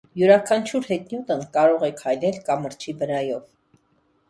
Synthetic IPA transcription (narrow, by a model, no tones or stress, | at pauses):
juɾɑkʰɑnt͡ʃʰuɾhɛt̪njut̪ənkɑɾɔʁɛkʰhɑjlɛlkɑməɾt͡ʃʰivəɾɑjɔv